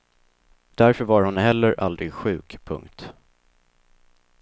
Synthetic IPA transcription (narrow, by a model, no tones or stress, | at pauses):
d̪̥æɾfœɾvaɾhʊnɦɛlːəɾʔa̰ld̪ɾɪɡɧʉ̟ːkpʰɵ̰ŋkt̪